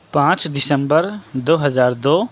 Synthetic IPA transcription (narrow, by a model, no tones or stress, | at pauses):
pãːt͡ʃɖɪsə̃mbəɾd̪oːɦɐzaːɾd̪oː